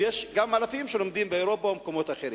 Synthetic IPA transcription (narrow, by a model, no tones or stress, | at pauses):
jeʃɡamalafimʃelo̞md̪imbeeɾo̞paomko̞mo̞t̪aχe̞ɾi